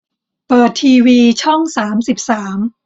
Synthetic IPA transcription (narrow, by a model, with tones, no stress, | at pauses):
pɤː˨˩t̪ʰːiː˧wiː˧t͡ɕʰɔ˥˩ŋsaː˩˦msi˨˩p̚saː˩˦m